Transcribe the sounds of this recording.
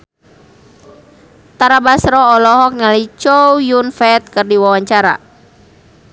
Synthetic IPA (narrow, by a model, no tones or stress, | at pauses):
t̪aɾabasɾɔːlɔɦɔk̚nalit͡ʃɔujunfɛt̪̚kɨrdiwawaɲt͡ʃaɾa̰